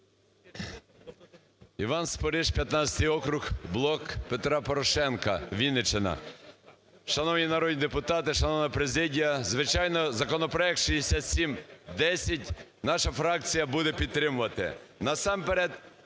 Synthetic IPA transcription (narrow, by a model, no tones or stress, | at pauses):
iʋɑnspɔɾɪʃpʲjɐt̪nɑt͡sʲɐ̥t̪ɪjɔkɾʊxblˠɔkpet̪ɾɑpɔɾɔʃɛnkɐʋʲinɪt͡ʃenɐ̰ | ʃɐnɔwnʲinɐɾɔd̪ʲnʲid̪epʊt̪ɑt̪ɪʃɐnɔwnɐɐpɾezɪdʲijɐzʋɪt͡ʃɑjnɔzɐkɔnɔpɾɔɛk̚t̪ʃijesʲat̪sʲimd̪ɛsʲɐtʲnɑʃɐfɾɑk̚t͡sʲijɐbud̪ɛpʲid̪̚t̪ːɾɪmʊʋɐt̪ɪ̰nɐsɑmpeɾɛd̪